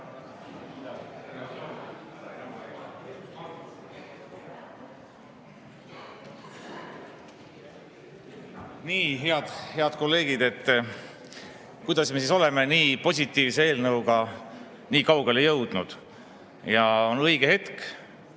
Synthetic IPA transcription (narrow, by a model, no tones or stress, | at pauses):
niːɦe̞ɑd̪̥he̞ɑd̪̥ko̞lːe̞ːɡid̪̥e̞t̪ː | kujd̪̥ɑsme̞s̬iso̞lemeniːpo̞s̬ʲit̪ːˑiːvsee̞ːlnɤwɡ̥ɑ | niːkɑwɡe̞lejɤwd̪̥nud̪̥ | jɑo̞nɤjɡ̥ehe̞t̪k